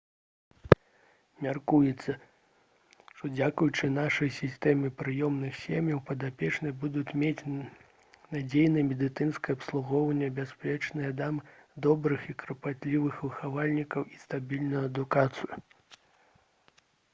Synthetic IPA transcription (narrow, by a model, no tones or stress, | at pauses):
mʲarkujɛt̪sːɐ | ʂt̪ɔd͡zʲakujut͡ʂɨnaʂɐjsʲist̪ɛmʲɨpɾɨjɔmnɨxsʲemʲjɐwpɐd̪apʲɛt͡ʂnɨjbud̪ut͡sʲmʲet͡sʲ | nad͡zʲejnɨjmʲɛd̪ɨt̪sɨnskɐjɐpslˠuɣɔwɐnʲːɐbʲaspʲlʲɛt͡ʂnɨjɛd̪amd̪ɔbɾɨxikɾɐpat̪ʲlʲivɨxvɨxavalʲnʲikɐwist̪abʲilʲnujuɐd̪ukat̪sɨju